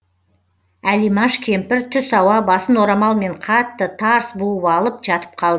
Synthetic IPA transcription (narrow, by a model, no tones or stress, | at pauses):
ælijmɑʃkʲʰe̞mpɪɾt̪ʰʏsɑwɑbɑsənwo̞ɾɑmɑlˠme̞ɴqʰɑt̪ːət̪ʰɑɾsbuəpɑlˠəpʒɑt̪ə̥p̚qʰɑlˠd̪ə